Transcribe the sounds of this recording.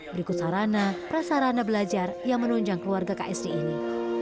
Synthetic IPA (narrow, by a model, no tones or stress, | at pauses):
bəɾikʊt̪̚saɾanapɾasaɾanabəlad͡ʒarjaŋmənuɲd͡ʒaŋkəluarɡaka̰ʔɛsɾiʔːni